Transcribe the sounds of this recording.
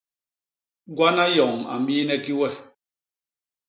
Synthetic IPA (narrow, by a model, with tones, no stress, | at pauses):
ɡwa˦na˦jɔ˨ŋ˨ma̰˨m̩˦biː˦nɛ˦ki˦wɛ˦˨